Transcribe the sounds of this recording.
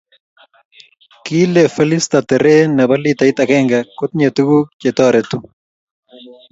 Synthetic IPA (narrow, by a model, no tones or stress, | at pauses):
kilefelist̪at̪eɾenaβalit̪ait̪akeŋɡakot̪ɲet̪uɡuk̚t͡ʃet̪oaɾet̪u